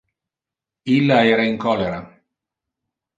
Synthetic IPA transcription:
ilːaɛːɾaiŋkɔlːeɾa

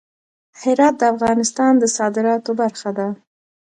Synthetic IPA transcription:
hɪɾɑt̪̚d̪əafɣɑnɪst̪ɑnd̪əsɑd̪ɪɾɑt̪obaɾxad̪a

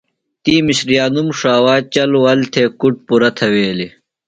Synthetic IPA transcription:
t̪iːmiɕɾijaːnumʂaːwaːt͡ɕɐlwɐlt̪ʰeːkuʈ̚puɾɐt̪ʰɐweːli

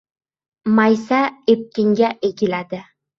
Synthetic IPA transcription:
majsaep̚kʲɪŋɡʲaʔeɡʲɪlad̪ɪ

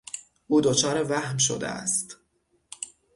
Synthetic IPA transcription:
ʔuːd̪ot͡ʃʰɒːɾevæhmʃo̰d̪ḛæ̰st̪

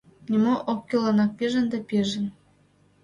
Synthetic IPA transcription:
nʲimoʔop̚kʲelɑnɑk̚pʲeʒə̆nd̪ɑpʲeʒə̆n

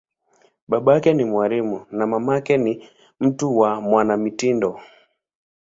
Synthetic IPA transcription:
ɓaɓakɛnimwaɾimunamamakɛni | m̩tuwamwanamitindɔ

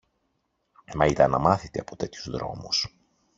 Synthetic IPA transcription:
mɐit̪ɐnɐmɐθit̪e̞ɐpo̞t̪e̞t̪çuzðɾo̞̰mus

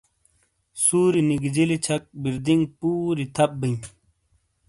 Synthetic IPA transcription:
suːɾiniɡd͡ʑilit͡ɕʰɐk̚biɾd̪iŋɡpuːɾit̪ʰɐp̚biɲ

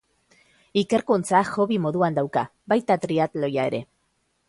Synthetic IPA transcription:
ike̞ɾkunt͡saʝo̞βimo̞ðuand̪awkabajt̪at̪ɾiat̪lo̞jae̞ɾe̞

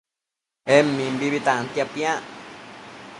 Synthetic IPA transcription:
emĩmbiβit̪ãʔant̪japj̃ãʔ

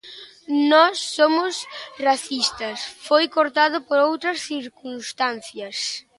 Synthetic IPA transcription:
nɔsːomʊsraθist̪ɐsfojkoɾt̪aðʊpoɾowt̪ɾɐsθiɾkunst̪anθjɐs

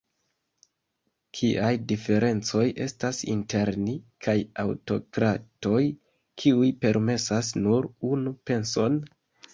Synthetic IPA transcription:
kʰiʔajdife̞ɾʔe̞nt͡so̞je̞stasḭnte̞ɾnikʰajawto̞̰kɾato̞j | kʰiujpe̞ɾme̞sasnuɾunupe̞nso̞n

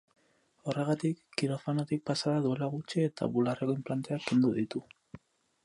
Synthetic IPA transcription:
o̞re̞ɣ̞at̪ikːiɾofanot̪ik̚pasaðaðue̞laɣut͡ʃiet̪a̰βularekoimplant̪e̞akend̪uðit̪u

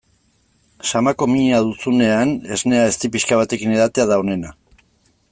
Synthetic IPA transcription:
samako̞miɲaðut͡sune̞ane̞zne̞ae̞st̪ipiʃkaβ̞at̪e̞kine̞ðat̪e̞aðaone̞na

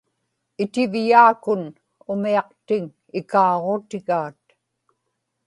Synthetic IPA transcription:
ɪt̪ɪvjaːkʊn | ʊmiɑq̚t̪ɪŋ | ɪkɑːʁot̪ɪɣaːt̪

